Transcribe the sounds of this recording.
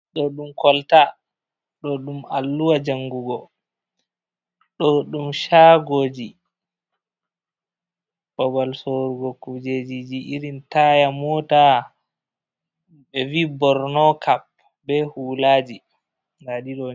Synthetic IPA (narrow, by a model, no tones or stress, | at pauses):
ɗɔɗumkɔlta | ɗɔɗumalːuwad͡ʒaŋɡuɡɔ | ɗɔɗumʃaɡoːd͡ʒi | bɔbalsoɾuɡɔkud͡ʒed͡ʒid͡ʒiʔiɾintajamɔta | bɛvibɔɾnɔkap̚ | bɛhulaːd͡ʒi | ɡaɗiɗɔ